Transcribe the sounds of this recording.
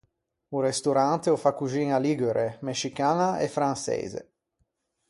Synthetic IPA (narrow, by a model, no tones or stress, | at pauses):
urest̪uɾant̪eofakːuʒiːnaliɡeɾʔemeʃikaːnaefɾansḛːzḛ